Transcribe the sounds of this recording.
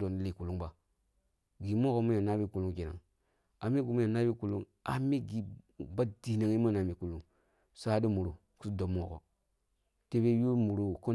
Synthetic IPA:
do˨n˦li˨ku˨lu˦ŋba˨ | ɡi˨mo˦ko˦mu˦ja˨na˦bi˦ku˨lu˦ŋki˨na̰˨ŋ | a˨me˦ɡu˨mu˦ja˨na˦bi˦ku˨lu˦ŋ | a̰˨mi˦ɡi˨ba˦di˨na˨ŋi˦ma˦˨na˨mi˨ku˨lu˦ŋ | sa˦di˦mu˨ɾu˨ | ku˦do˨mo˦˨ko̰˨ | te˦be˦ju˦mu˨ɾu˨ko˦

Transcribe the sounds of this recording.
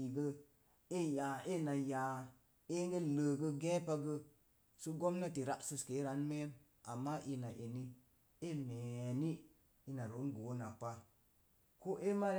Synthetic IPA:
i˨ɡə˦ | e˦ja˨e˦na˨ja˨ | e˦ŋɡe˦ləː˨ɡə˦ɡẽ˦pa˦ɡə˦ | su˦ɡo˦mna˦ti˨ɾa˦ʔsɨ˧ske˨˦ɾa˨˦nme˦n | a˨mːa˦ʔi˧na˨ʔe˨ni˦ | e˦me˨ni˦ | i˧na˨ɾo˨˦nɡo˨˦na˨pa˦ | ko˦ʔe˦ma˦

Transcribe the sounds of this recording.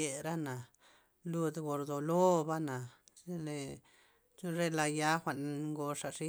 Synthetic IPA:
e˨ɾa˦na˨ | lu˧d̪ɡo˨ɾd̪o˨lo˦ba˦na˨e˦le˧˦ | ʐe˦la˧ja˦xʷa˨ʔn˧ŋɡo˧ʂa˨ʂi˦

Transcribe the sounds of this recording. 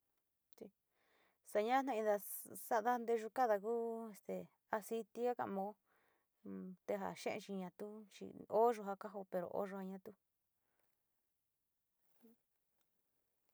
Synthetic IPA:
t͡ʃi˧ | sa˧ɲã˦nã˧ĩ˧ða˧sa˦ða˦nd̪e˧ʒu˧ka˦ða˧kuː˦e˧st̪e˨ | a˧si˧t̪i˧a˦ka̰˧ʔmõ˧˦ | t̪e˧ɦa̰˧˨ʃḛ̃˦ʔḛ̃˧t͡ʃi˧ɲã˧t̪u˦t͡ʃḭ˧o˦ʐo˧ɦa˧ka˦ɦo˧pe˧ɾo̰˨ʔo̰˦ʐo˧ha˧ɲã˧t̪u˦

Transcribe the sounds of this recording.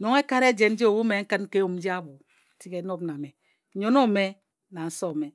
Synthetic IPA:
no˨ŋe˦ka˦ɾe˦d͡ʒe˨n̩˦d͡ʒe˦o˨wu˦me˨ŋ̩˦kɨ˦n̩˦ke˦u˨m̩˦d͡ʒi˦a˦bu˨ | ti˦ke˨˦no˦bna˨me˨ | ɲo˦no˦˨me˦ | na˨n̩˦so˦˨me˨

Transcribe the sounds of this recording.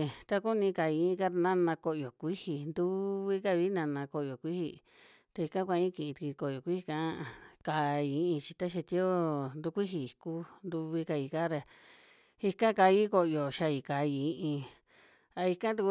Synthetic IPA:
t̪a˦ku˦nĩ˧ka˨ĩ˧˦ka˦ɾnã˦˧nã˧ko˧ʔjo˨kʷi˦hi˧nd̪u˦βi˦ka˧βi˦nã˧nã˧ko˧˨jo˨kʷi˦hḭ˧ | t̪a˧i˧kã˦kʷa˧ĩ˦kĩ˧˨ĩ˧t̪u˧ki˧ko˧˨jo˨kʷi˦hi˧kã˦˧ka˨˧i˧˦ʔĩ˧t͡ʃi˧t̪a˦ʃ̬e˧t̪i˦o˦nd̪u˧˦kʷi˦ɦi˧i˨˧ku˦nd̪u˧βi˧ka˧i˧˨ka˦ɾe˧ | i˧kã˦ka˧i˦ko˧˨˧jo˨ʃa˧i˨ka˨˧i˧˨ĩ˧ʔĩ˧ | a˧i˧kã˦t̪u˧k

